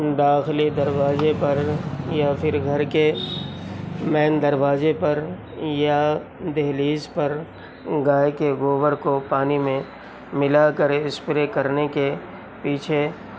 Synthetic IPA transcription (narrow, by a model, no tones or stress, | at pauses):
d̪aːxlid̪ɐɾwaːzepɐɾjafʰɪɾɡʱɐɾke | mɛːnd̪ɐɾwaːzepɐɾ | jad̪eɦliːzpɐɾ | ɡaːekeɣoːbəɾkopaːnimẽ | mɪlakəɾɪspɪɾekɐɾneke | piːt͡ʃʰe